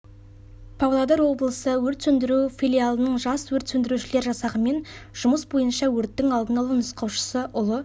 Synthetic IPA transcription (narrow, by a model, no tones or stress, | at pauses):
pʰavlˠɑd̪ɑɾwo̞blˠəsəwɵɾt̪sɵnd̪ɪɾufʲijlʲijalˠənəɴʒɑswɵɾt̪sɵnd̪ɪɾuʃɪle̞ɾʒɑsɑʁəme̞nʒ̥ʊməsbo̞jənʃɑwɵɾt̪ːɪŋɑlˠd̪ənɑlˠənəsqɑwʃə̥səʔʊlˠə